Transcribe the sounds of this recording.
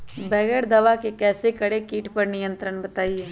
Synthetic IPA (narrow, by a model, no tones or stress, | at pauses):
bɛːɡeɽd̪ɐʋakekɛːsekɐɽekiːʈpɐɾnɪjə̃nt̪ɾəɳbɐt̪aːiɦɛː